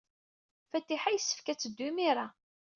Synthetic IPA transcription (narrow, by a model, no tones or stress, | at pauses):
fæt̪ːiħajəsːə̥fkæt͡sːəd̪ːumiɾa